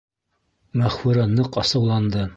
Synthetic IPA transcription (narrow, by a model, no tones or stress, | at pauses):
mæχfuɾɑnɤqɑsɤ̆wlˠɑnd̪ɤ